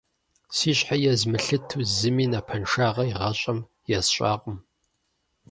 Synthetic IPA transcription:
siːɕʼħajɛzmɨɬɨtʰuzɨmiːnapʰɐnʂaːʁɐiʁɐɕʼɐm | jɛsɕʼa̰ːqʼʊm

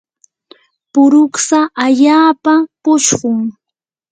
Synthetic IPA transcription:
pʊɾʊksaʔaʎaːpapʊʃɢʊŋ

